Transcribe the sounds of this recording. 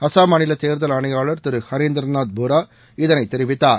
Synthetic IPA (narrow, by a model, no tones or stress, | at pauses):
ɐsaːmɐnɪlɐt̪eːɾðɐlɐnɐjaːɭɐɾt̪ɪɾɯhɐɾiːnd̪ɾɐnaːt̪̚bʱuɾaː | ɪðɐnɐɪt̪ːɛɾɪʋɪt̪ːaːɾ